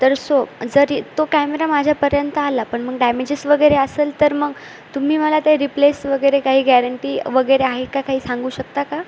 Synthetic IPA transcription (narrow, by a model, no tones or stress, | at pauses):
t̪əɾsod͡zəɾt̪okæmeɾamad͡ʑʱjapəɾjənt̪əalapəɳməɡɖæmed͡ʑəsʋəɡəjɾeəseːlt̪əɾməɡ | t̪um̤iːməlat̪jaɾiplesʋəɡəjɾekaɦiːɡæɾəɳʈiːʋəɡəjɾeaɦekakaɦiːsaŋɡuːɕək̚t̪aka